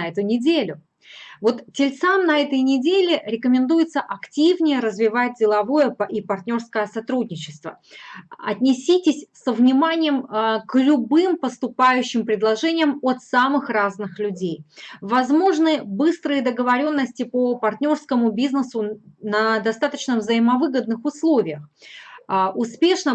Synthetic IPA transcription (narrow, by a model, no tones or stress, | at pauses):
ɛt̪ʊnʲɪdʲelʲʊ | vo̞t̪tʲɪlʲt̪samnɐɛt̪əjnʲɪdʲelʲɪɾʲɪkəmʲɪnd̪ujɪt̪səʔɐktʲivnʲɪjəɾəzvʲɪvat̚ʲdʲɪlˠɐvo̞jəipɐrtʲnʲo̞rskəjəsɐt̪ɾudʲnʲɪt͡ɕɪ̥st̪və̰ | ɐt̪ʲnʲɪsʲitʲɪsʲsəvnʲɪmanʲɪjəmklʲʊbɨmpəst̪ʊpajʉɕːɪmpɾʲɪd̪lˠɐʐɛnʲɪjəmot̪samɨxraznɨxlʲʉdʲejvɐzmo̞ʐnɨbɨst̪ɾɨjəd̪əɡəvɐɾʲo̞nːəsʲtʲɪpəpɐrt̪ʲnʲo̞rskəmʊbʲiznəsʊnəd̪ɐst̪at̪ət͡ɕnəvzəjɪmɐvɨɡəd̪̚nɨxʊslˠo̞vʲɪjəx | ʊspʲeʂnə